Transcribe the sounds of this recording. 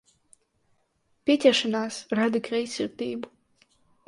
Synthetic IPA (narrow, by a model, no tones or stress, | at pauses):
pʲit̪ʲɛʃanaːsɾad̪ikʰɾɛjsʲiɾt̪iːbu̥